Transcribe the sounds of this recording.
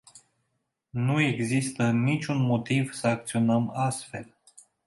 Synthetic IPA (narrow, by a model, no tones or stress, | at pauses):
nue̞ɡzist̪ənit͡ʃʲunmo̞t̪iv̥səak̚t̪sio̞nəmast̪fe̞̰l